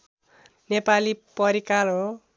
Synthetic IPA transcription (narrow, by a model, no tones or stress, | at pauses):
nepalipʌɾikalɦo